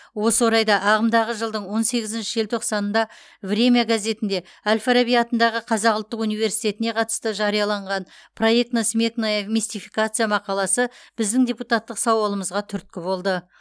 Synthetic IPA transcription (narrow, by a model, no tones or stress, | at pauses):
wo̞səwo̞ɾɑjd̪ɑʔɑʁəmd̪ɑʁəʒəlˠd̪əɴwo̞nse̞ɡʲɪzɪnʃɪʒelt̪ʰo̞qsɑnənd̪ɑ | vre̞mʲijaɡaze̞t̪ɪnd̪e̞ | alʲfaɾabijat̪ənd̪ɑʁəqʰɑzɑqʊlˠt̪ːəqunijve̞ɾsijt̪e̞t̪ɪne̞qʰɑt̪ə̥st̪əʒɑɾijɑlˠɑɴʁɑnpʰro̞je̞k̚t̪nosme̞knmist̪ifijkat̪sɨjamɑqɑlˠɑsəb̥ɪzd̪ɪŋd̪ʲe̞put̪at̪ːəqsɑwɑlˠəməzʁɑt̪ʰʏɾt̪̚kʲɪbo̞lˠd̪ə